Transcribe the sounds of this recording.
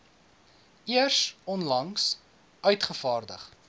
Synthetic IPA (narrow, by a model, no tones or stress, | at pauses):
iərsɔnlɐŋs | œɥtχəfɑːrdə̰χ